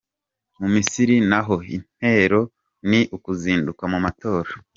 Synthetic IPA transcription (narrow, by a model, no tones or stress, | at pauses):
mumisiɾinaɦo̞ine̞ɾo̞ | niʔukuziːndukamumato̞ːɾa